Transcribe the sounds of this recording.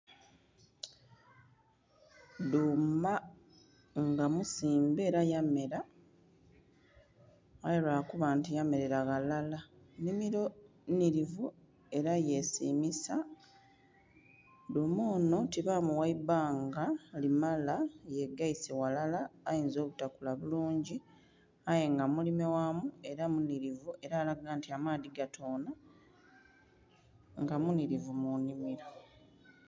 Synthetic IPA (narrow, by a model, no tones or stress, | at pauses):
duma | ŋɡamusiːmbe̞ːɾajame̞ɾa | jeɾaːkuβaːntijame̞ɾe̞ɾaɣalala | nimiɾo | niɾivu | e̞ɾaje̞sḭːmisa | domoːno̞tiβamuwaibaːŋɡalimalaje̞ɡaisewalalaːjiːnzo̞ːβutakulaβuluːɲɟi | aje̞ŋɡamulime̞wamue̞ɾamuniɾivuʔe̞ɾaːlaɡaːntiamaːðiɡatʰo̞ːna | ŋɡamuniɾivumunimiɾo̞